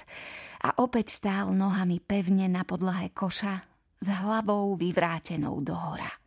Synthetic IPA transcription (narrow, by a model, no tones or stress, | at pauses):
ʔa̰ʔɔpɛcst̪aːlnɔɦamipɛʊɲɛnapɔd̪laɦɛkʰɔʃa | zɦlaʋɔʊʋiʋɾaːcɛnɔ̰ʊd̪ɔɦɔɾa̰